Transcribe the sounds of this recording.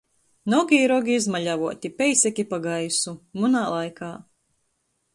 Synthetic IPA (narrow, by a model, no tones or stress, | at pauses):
nɔɡʲiːɾɔɡʲiizmaʎʲavuɔt̪ʲipʲɛjsʲɛkʲipaɡajsumunaːlˠajkaː